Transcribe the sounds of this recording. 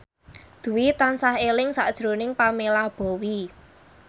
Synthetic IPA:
d̪̥ṳwit̪ansahelɪŋsaʔd̥ʒ̥ɾonɪŋpamelab̥ɔ̤wi

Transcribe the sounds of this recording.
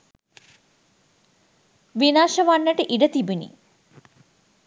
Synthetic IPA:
ʋinaːʃəʋanːəʈəʔiɖət̪ibunḭ

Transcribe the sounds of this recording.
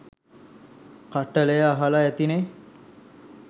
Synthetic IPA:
kaʈːələjəaɦalaæt̪ine

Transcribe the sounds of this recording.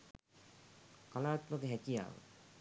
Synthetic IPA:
kalaːt̪məkəɦækija̰ːʋə̰

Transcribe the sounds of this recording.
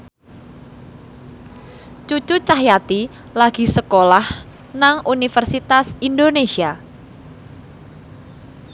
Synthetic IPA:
t͡ʃut͡ʃut͡ʃaɦjat̪i | laɡ̥i̤səkolah | naŋʔunifərsit̪asindonesia

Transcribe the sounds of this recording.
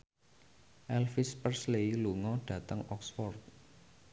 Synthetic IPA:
ʔɛlfɪspərsleiluŋɔɖ̥ä̤t̪əŋɔksfɔrt̪̚

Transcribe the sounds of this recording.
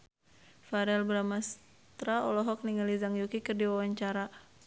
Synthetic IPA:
faɾɛlbɾamas | t̪ɾaɔlɔɦɔk̚niŋalizaŋjukikɨrdiwawaɲt͡ʃaɾa

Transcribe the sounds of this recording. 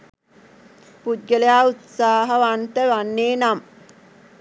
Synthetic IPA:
pud̪̚ɡələjaːut̪saːɦəʋant̪əʋanːeːnam

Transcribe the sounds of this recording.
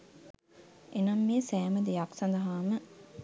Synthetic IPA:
ʔenɐmːiesæːmɐd̪ejɐksɐnd̪ɐɦaːmə

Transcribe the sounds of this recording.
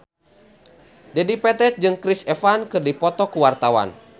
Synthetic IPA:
dɛdipɛt̪ɛt̪̚d͡ʒɨŋkɾisɛfankɨrdipɔt̪ɔkuwart̪awa̰n

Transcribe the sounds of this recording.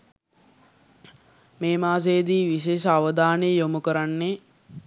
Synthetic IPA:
meːmaːs̬ejːd̪iːʋiʃeːʃəaʋəd̪aːnejomukəɾanːe

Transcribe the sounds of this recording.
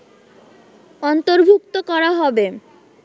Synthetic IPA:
ɔnt̪oɾbʱuk̚t̪okɔɾaɦɔbe

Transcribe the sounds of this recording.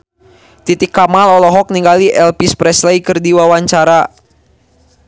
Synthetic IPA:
t̪it̪ikːamalɔlɔɦɔk̚niŋɡaliʔɛlpispɾɛslejkɨrdiwawaɲt͡ʃaɾa

